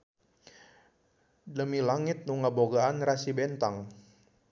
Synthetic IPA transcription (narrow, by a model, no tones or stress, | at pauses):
dəmilaŋɪt̪̚nuŋaboɡaanrasibɛnt̪aŋ